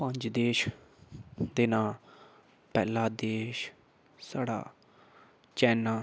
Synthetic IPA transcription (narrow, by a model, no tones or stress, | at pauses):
pəɲd͡ʒd̪eːʃ | d̪eːnaːl | pɛːlãːd̪eːʃ | saːɽa̰ː | t͡ʃɛːnaː